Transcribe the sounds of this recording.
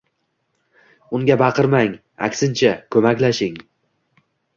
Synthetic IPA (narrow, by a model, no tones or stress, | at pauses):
ʊŋɡʲabɑqʰɨɾmaŋ | a̰kʲsɪnt͡ʃʰakʰɵmakʲlaʃɪŋ